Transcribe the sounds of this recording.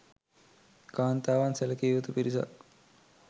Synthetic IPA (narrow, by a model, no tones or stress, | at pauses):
kaːnt̪aːʋanselɐkiːʋut̪upiɾisa̰